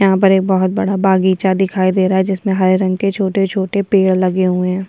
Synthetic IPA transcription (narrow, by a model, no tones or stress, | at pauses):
jɐɦãpɐɾeːk̚bɐɦʊt̪̚bɐɽabaːɡiːt͡ʃad̪ɪkʰaːid̪eːɾaɦɛd͡ʒɪsmẽɦɐɾɾɐ̃ŋɡket͡ʃʰoːʈet͡ʃʰoːʈepeːɽlɐɡeɦuẽɦɛ̃ː